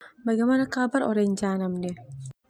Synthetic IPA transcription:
bɐɡɐmɐnɐkaːbɐɾɔ̰ɾɛɲd͡ʒaːnɐmdɛ

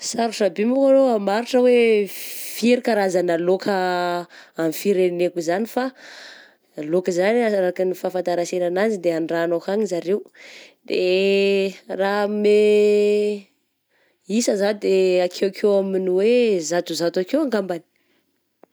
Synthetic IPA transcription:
saɾuʈ͡ʂabimukaloamaɾiʈ͡ʂəwe | fiɾikaɾazanalokʰə | amfiɾenekuzanifa | alokəzanaaɾakinifafant̪aɾasenanazid̪eaɳɖ͡ʐanokaɲizaɾewd̪e | rame | isəzad̪eakʰewakʰewaminiwezat̪uzat̪akewaŋɡambani̥

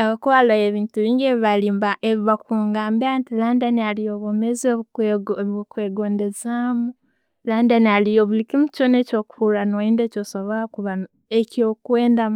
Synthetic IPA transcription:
aβakoalajeβiːntuβiːŋɡeβiβalimbaʔeβiβakuːŋɡaːmbiantilaːndanialijoβomezoβ | kweːɡoːndezamu | laːndanialijoβulikimut͡ʃonecoːkufuɾanoiːndeːcosoβoɾakuβan | eciokweːndam

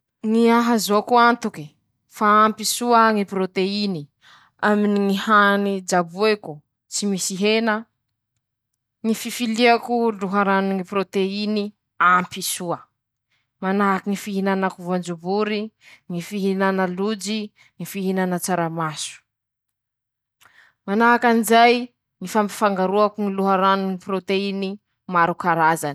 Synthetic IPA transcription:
ŋiaɦazokuant̪uki | faampisuəŋipɾot̪eini | aminiŋihanid͡ʒabueku | t͡simisiɦenə | ŋififiliakuluɦaɾaniŋiprot̪eini | ampisuə | manaɦakinifiɦinanakuvand͡ʒubuɾiŋifiɦinanəlud͡ʒi | ŋifiɦinanət͡saɾamasu̥ | manaɦakanizaj | ŋifampi̥faŋɡaɾuakuŋiluɦaɾanuniprot̪eini | maɾukaɾazani̥

